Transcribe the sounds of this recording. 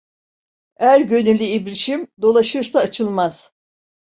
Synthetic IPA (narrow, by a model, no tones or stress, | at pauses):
hæɾɟø̞nylʲiibɾiʃimd̪o̞lˠaʃɯɾsaːt͡ʃʰɯlˠmaz̥